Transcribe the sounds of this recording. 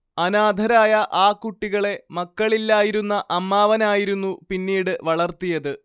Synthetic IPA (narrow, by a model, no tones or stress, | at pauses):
ɐnaːd̪ʱɐɾaːjɐʔaːkːuʈːiɣɐɭe̞mɐkːɐɭilːaːjiɾunːɐʔɐmːaːʋɐnaːjiɾunːupinːiːɽɨʋɐɭɐrt̪ijɐðɨ